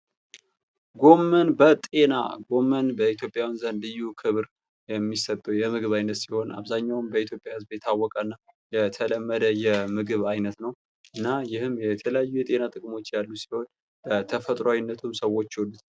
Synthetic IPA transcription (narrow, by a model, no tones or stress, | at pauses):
ɡo̞mːənbət̪ʼe̞na̰ɡo̞mːənbəit̪ʰjo̞pʼjawnzənd̪ɨjukʰɨβɾ | jɛmːisət̪ʼːujɛmɨɡɨβajnːət̪siho̞nʔa̰βzaɲːawɨmbəit̪ʰjo̞pʼjawɨzbjɛt̪ʰawːɔkʼənːa | jɛt̪ʰələmːəd̪əjɛmɨɡɨβajnət̪nəw | ʔɨnːajɪhɨmːjɛt̪ʰələjajːujɛt̪ʼe̞nat̪ʼɨkʼmo̞t͡ʃːjalːusi̥ho̞n | b̥ət̪ʰəfət̪ʼɾawinːət̪ʰumsəwo̞t͡ʃːwlːut̪